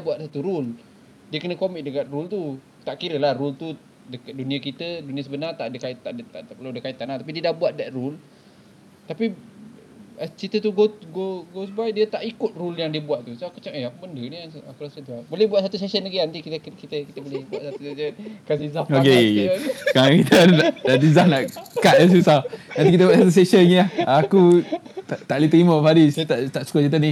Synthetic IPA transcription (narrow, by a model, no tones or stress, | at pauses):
buat̪sat̪uɾul | diəkənəkomɪk̚dəkat̪̚rult̪u | t̪aʔkiɾəlahrult̪u | dəkət̪̚duniəkit̪ədunĩas̬əbənart̪aʔdəkaɪʔ̪aʔdət̪aʔapəladəkaɪʔt̪ːanaht̪apidiədahbuat̪̚daʔ̪̚rul | t̪api | t͡ʃit̪ət̪uɡoɡoɡosbajdiət̪aʔikʊt̪̚ruljaŋdiəbuaʔ̪̚t̪usaakut͡ʃaʔeakubəndəniasakuɾasət̪abolɛbuaʔ̪̚sat̪usesənɡinant̪ikit̪kit̪əkit̪əbolɛhbuaʔsat̪usesənkasizaoke | kalakit̪ənadaʔdizahnaʔkaʔ̪as̬isanant̪ikit̪əbuaʔ̪sat̪us̬eʃənɲiahakut̪aʔt̪aʔlit̪ɾiməfadit̪aʔt̪aʔsu̥kət͡ʃit̪̬əni